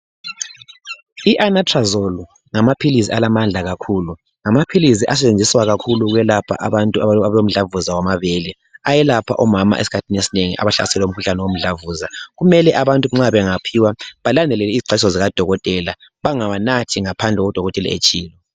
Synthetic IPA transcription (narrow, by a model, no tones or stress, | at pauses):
iʔanatʰʼrazolu | ŋamapʰilis̬ialamand͡ɮʱaɣakʰuːlu | ŋamapʰilisiʔas̬ɛt͡ʃend͡zʱiswaɣakʰuluɣwɛlapʰa̰ʔaβantʼuaalom̩ɮavuzawamaβelɛ | ajɛlapʰa̰ʔɔmama̰ʔḛsi̥kʰatʰinesineŋḭʔa̰βaɬa̰sɛlɛum̩kʰuɬanɛwom̩ɮavuzaɣumɛlɛʔaβantʼuŋ͡ǁaβɛŋapʰiwaβalandʱɛlɛlɛiziǀʰʱaisɔziɣad̥ʱɔɣɔtʼɛla | βaŋawanatʰiŋapʰand͡ɮʱɛɣɔd̥ʱɔɣɔtʼɛlɛ̰ḛt͡ʃʼiːlɔ